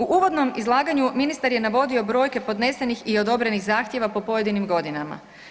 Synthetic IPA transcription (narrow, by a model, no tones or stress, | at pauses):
uʔuːʋo̞d̪no̞mizlˠaːɡaɲuminist̪aɾje̞naʋo̞d̪io̞bɾo̞ːjke̞po̞d̪ne̞senixio̞d̪o̞bɾe̞nixzaːxt̪je̞ʋapo̞po̞je̞d̪inimɡo̞d̪inama̰